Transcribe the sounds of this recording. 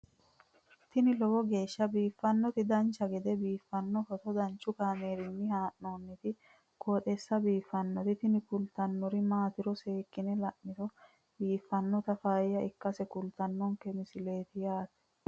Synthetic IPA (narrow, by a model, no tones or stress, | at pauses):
t̪ɪnɪlɔwɔɡe̞ːʃːɐbiːfːɐnːɔt̪ɪd̪ɐnt͡ʃːɐɡɛd̪ɛbiːfːɐnːɔfɔt̪ɔd̪ɐnt͡ʃːʊkaːmeːɾɪnːɪhaːʔnoːnːɛt̪ɪ | kʰoːt̪ʼɛsːɐbiːfːɐnːɔɾɪt̪ɪnɪkʊlt̪ɐnːɔɾɪmaːt̪ɪɾɔseːkːɪnɛlɐʔːɪt̪ɔ | biːfːɐnːɔt̪ɐfaːjɐɪkːɐsɛkʊlt̪ɐnːɔŋkɛmɪsɪle̞ːt̪ɪjaːt̪ɛ̥